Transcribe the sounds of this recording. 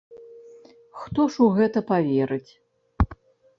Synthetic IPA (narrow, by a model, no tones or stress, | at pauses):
xt̪ɔʂuɣɛt̪ɐpavʲɛɾɨt͡sʲ